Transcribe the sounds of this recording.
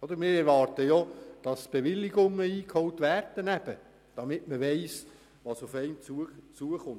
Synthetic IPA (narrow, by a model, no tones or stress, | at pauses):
ɔd̪əɾmɪːɾɛɾʋɑːrtəjod̥ɑsb̥eʋɪlːiɡʊŋːəiːkʰhɔwtvæːrd̥ənæb̥ə | d̥ɑmɪtməʋɛɪs | ʋɑsufɛɪmt͡sut͡suəχʊnt